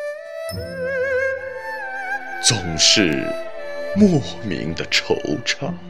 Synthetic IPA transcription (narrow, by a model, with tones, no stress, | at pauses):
t͡sʊ˨˩ŋʂɻ̩˥˧ | mwɔ˥˩mḭ˧˥ŋd̪ə˧ʈ͡ʂʰo˧˥ʊʈ͡ʂʰɑ˨˩˦